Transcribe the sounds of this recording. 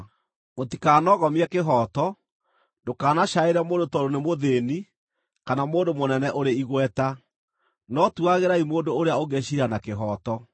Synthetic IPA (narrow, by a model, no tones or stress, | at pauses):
motikanɔɣɔmiɛkeɦɔtɔ | ndokaːnaʃaeɾamoːndotɔɾonemoðeni | kanamoːndomonɛnɛʔoɾeiɣwɛta | nɔtuaɣeɾaimoːndoːɾeaoɡɛɕiɾanakeɦɔtɔ